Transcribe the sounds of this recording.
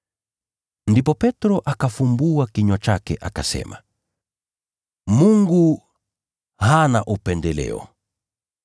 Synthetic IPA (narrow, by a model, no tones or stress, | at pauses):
ndipɔpɛtɾɔʔakafumbuakiɲɔt͡ʃakɛ̰ʔakasɛ̰ma | muŋɡu | hanaʔupɛndɛlɛ̰ɔ̰